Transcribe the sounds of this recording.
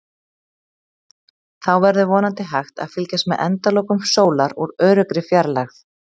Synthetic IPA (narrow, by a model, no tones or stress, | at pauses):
θawvɛɾðʏvɔːnant̪ɪɦajxt̪a̰ðfɪlcast̪mɛðʔɛ̰nt̪alowkʏmsoːwlaɾuɾœːɾʏkɾɪfjaɾlaxθ